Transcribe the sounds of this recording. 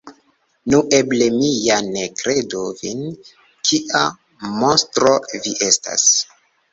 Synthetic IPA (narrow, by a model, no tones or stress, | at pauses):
nuʔe̞ble̞mijanekɾe̞dovin | kʰiʔa | monstɾoviʔe̞sta̰s